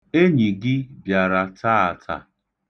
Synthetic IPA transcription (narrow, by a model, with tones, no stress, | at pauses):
e˦ɲi˨ɡɪ˦bja˨ɾa˨tʰa˦a˨tʰa̰˨